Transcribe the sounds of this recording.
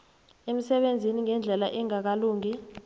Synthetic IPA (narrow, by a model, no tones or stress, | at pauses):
em̩sɛɓend͡zʱiniŋɛnd͡ɮʱɛlaʔɛŋak̬aluːŋi